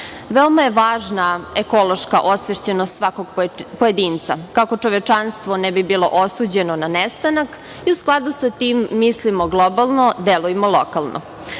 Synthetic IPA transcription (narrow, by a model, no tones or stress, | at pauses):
ʋeomajeʋaːʒnaeko̞lˠoʃkaʔo̞sʋeʃt͡ɕenost̪sʋakoɡpojed̪iːnt̪sa̰kako̞t͡ʂoʋet͡ʂanst̪ʋonɛbibilˠo̞̰ʔosuːd͡ʑe̞nonanest̪anak | iusklˠad̪usat̪iːmːislimoɡlˠobalˠno̞d̪eluemolˠokalˠnʔo̰